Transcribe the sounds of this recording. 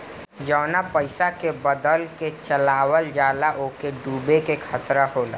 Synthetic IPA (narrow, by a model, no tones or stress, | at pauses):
d͡ʒɔːnapəɪsakebəd̪əlket͡ʃəlaːwəld͡ʒaːlaʔoːkeɖuːbekekʰət̪ɾaɦoːla̰ː